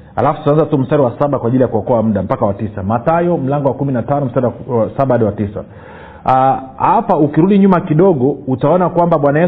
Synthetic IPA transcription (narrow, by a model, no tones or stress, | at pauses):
ha̰lafu̥tuanzatum̩staɾiwasaɓakwaʄilijakuɔkɔam̩ɗam̩pakawatisamatajɔm̩laŋɡɔwakuminatanɔm̩staɾiwasaɓaaɗiwatisa̰ | hapaukiɾuɗiɲumakiɗɔɠɔutaɔnakwambaɓwanajɛ